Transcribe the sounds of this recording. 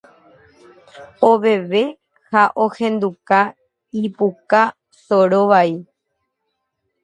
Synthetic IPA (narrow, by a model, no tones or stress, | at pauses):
oʋe̞ʋe̞ | haʔohẽ̞nd̪uka | ipuka | soɾoʋai